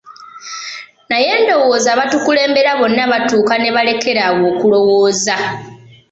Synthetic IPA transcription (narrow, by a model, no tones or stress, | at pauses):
naje̞ːndo̞wo̞ːzaːβatukule̞ːmbe̞ɾaβo̞nːaβatuːkane̞βale̞ke̞ɾawoːkulo̞woːza